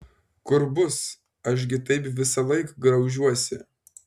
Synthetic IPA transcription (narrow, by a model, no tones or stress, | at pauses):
kʊɾbʊs | ɐʃ̬ʲɡʲɪt̪ɐɪpʋʲɪsɐlˠɐɪkɡɾɐʊʒʲuɔsʲɪ